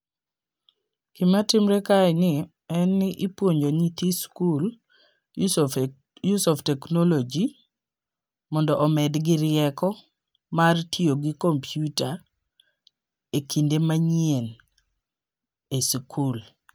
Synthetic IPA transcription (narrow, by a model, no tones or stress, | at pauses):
kɪmatɪmɾekaɪnɪ | ɛnːɪʔɪpwoɲd͡ʒoɲit̪iskul | jusɔftɛknɔlod͡ʒi | mɔndɔʔɔmɛdɡɪɾɪɛkɔ | martʰioɡikompʰjuta | ekindemaɲien | eskʰul